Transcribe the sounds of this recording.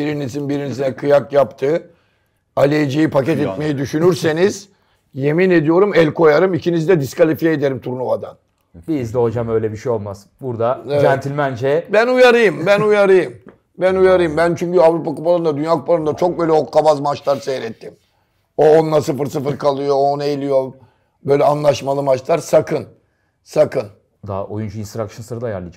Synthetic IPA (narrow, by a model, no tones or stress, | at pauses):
biɾinizinbiɾinizinɛkʰɯjakjapt̪ʰɯː | alʲejd͡ʒijipʰacɛt̪ɛt̪me̞jid̪yʃynyɾse̞niz̥ | je̞mine̞d̪ijo̞ɾumɛlʲkʰo̞jaɾɯmicʰinizid̪ɛd̪iskalʲifijeːd̪e̞ɾimt̪ʰuɾnumad̪a̰n | bizd̪ɛɦod͡ʒamø̞jlʲɛbiʃejo̞lˠmasɯ̥buɾd̪aeænt̪ʰilʲmænd͡ʒɛbænujaɾɯjɯmbænujaɾɯjɯm | bænujaɾɯjɯmbænt͡ʃʰyɲcyavɾupakupʰalˠɯnd̪ad̪ynjaːku̥pʰalɯnd̪at͡ʃʰo̞k̚bøːlʲɛokʰːabazmat͡ʃlˠaɾsɛjɾɛt̪ʰːim | oonlːˠasɯfɯɾsɯfɯɾkʰalˠɯjoːneelʲijo̞ | bø̞jlʲɛanlˠaʃmalˠɯmat͡ʃlˠaɾsakʰɯn | sakʰɯn | d̪a̰ʔo̰jund͡ʒuinst̪ɾakʃɯnsɯɾad̪aja̰ɾlˠɯd͡ʒ